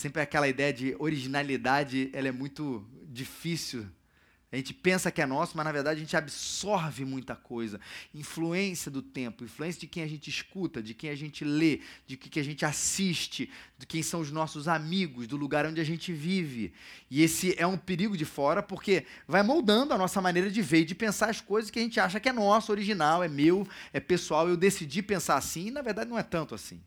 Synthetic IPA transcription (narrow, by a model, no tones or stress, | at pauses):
sẽmpɾɛakɛlɐid̪ɛjɐd͡ʒɪoɾiʒinalid̪ad͡ʒɪɛlɐɛmũj̃t̪ʊd͡ʒifisiw | aʒẽnt͡ʃɪ̥pẽsɐkɪɛnɔsʊmɐʒnaveɾd̪ad͡ʒɪɐʒẽnt͡ʃabisɔɾvɪmũj̃t̪ɐkojzɐĩfluẽsijɐd̪ʊt̪ẽmpʊĩfluẽsjɐd͡ʒɪkẽj̃aʒẽnt͡ʃɪiʃkut̪ɐd͡ʒɪkẽj̃aʒẽnt͡ʃɪled͡ʒɪkɪkɪaʒẽnt͡ʃɪasiʃt͡ʃɪd͡ʒ̪ɪkẽj̃sɐ̃w̃ʊznɔsʊzamiɡʊzd̪ʊluɡaɾõnd͡ʒɪaʒẽnt͡ʃɪvivɪɪesɪʔɛũpeɾiɡʊd͡ʒɪfɔɾɐpoχke | vajmowd̪ɐ̃nd̪ʊɐnɔsɐmanejɾɐd͡ʒɪveɾd͡ʒɪpẽsaɾɐskojzɐskɪaʒẽnt͡ʃɪaʃ̬ɐkɪɛnɔsʊoɾiʒinawɛmewɛpesuawewd̪esid͡ʒipẽsaɾasĩɪnɐveɾd̪ad͡ʒɪnɐ̃w̃ɛt̪ɐ̃nt̪ʊasḭ̃